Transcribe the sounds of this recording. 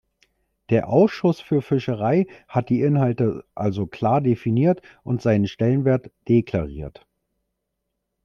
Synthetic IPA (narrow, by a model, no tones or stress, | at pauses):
d̥eːɐʔaʊsʃʊsfyːɐfɪʃəʁaɪhat̚d̥iːʔɪnhaltəʔalzokl̥aːɐdefiniːɐtʔʊntz̥aɪnənʃtɛlənveːɐtd̥ekl̥aʁiːɐt